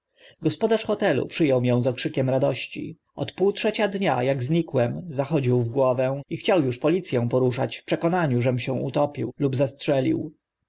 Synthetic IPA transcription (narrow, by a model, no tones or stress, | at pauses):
ɡɔspɔd̪aʂxɔt̪ɛlṵpʂɘjɔwmʲjɔ̃w̃zɔkʂɘkʲɛmɾad̪ɔɕt͡ɕḭ | ʔɔ̰t̪puwtʂɛt͡ɕad̪ɲa̰jaɡzɲikwɛmzaxɔd͡ʑiwvɡwɔvɛixt͡ɕawjuʂpɔlʲit̪sʲjɛ̃w̃pɔɾuʂa̰t͡ɕfpʂɛkɔnaɲuʐɛmɕɛ̃ṵt̪ɔpʲḭwlubzastʂɛlʲḭw